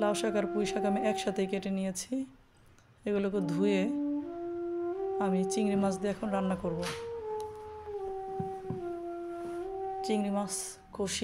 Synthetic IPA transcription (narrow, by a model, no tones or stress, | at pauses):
laoʃakaɾpujʃakamiʔɛkʃat̪ejkeʈenijet͡ɕʰi | eɡulok̬ed̪ʱuje | amit͡ɕiŋɾimasd̪iɛkʰonɾanːakoɾbo | t͡ɕiŋɾimas | koʃi